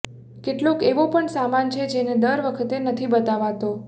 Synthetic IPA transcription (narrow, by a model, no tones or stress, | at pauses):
keʈlokeʋopəɳsamant͡ʃʰed͡ʒened̪əɾʋəkʰət̪enət̪ʰibət̪aʋat̪o